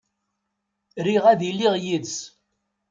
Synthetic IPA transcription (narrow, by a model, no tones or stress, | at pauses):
ɾiʁæðilːiʁjids